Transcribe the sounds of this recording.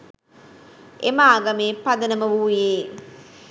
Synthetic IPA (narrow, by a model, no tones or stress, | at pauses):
emaːɡɐmeːpɐd̪ənəməʋuːjeː